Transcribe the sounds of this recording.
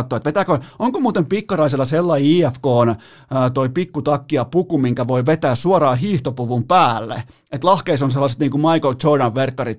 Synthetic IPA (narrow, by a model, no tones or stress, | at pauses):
t̪ːoːet̪ʋet̪æːkøoŋkomuːt̪empikːɑrɑiselːɑselːɑiiːefkoːnː | t̪oipikːut̪ɑkːiɑpukumiŋkæʋoiʋet̪æːssuɑrɑːɦiːht̪opuʋumpæːlːḛ | et̪lɑhkeisonselːɑse̥t̪niːŋkumɑikolt͡ʃodɑʋʋerkːɑrit̪